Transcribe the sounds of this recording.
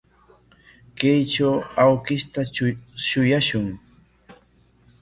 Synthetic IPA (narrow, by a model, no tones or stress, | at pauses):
kajt͡ʃawawkɪʃt̪aʃʊjaʃʊŋ